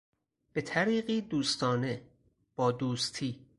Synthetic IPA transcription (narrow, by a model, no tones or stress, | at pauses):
b̥e̞t̪ʰæɾiːɢiːd̪uːst̪ʰɒːne̞ | b̥ɒːd̪uːst̪ʰiː